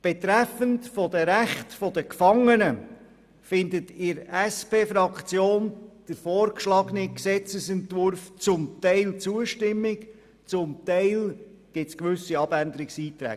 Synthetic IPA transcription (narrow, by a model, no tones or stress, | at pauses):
b̥ɛtɾæfəntfɔdəɾæχtfɔdəkfɑŋənə | fɪndətɪɾæspeːfɾɑkt͡sjoːnd̥əɾfɔːɾkʃlɑɡəniksɛt͡səsɛntvʊɾft͡sʊmt̪ɛɪlt͡suəʃtɪmːɪk | t͡sʊmt̪ɛɪlɡ̥ɪtskʋʏsiɑb̥ænd̪əɾɪksiːtɾæ̰ː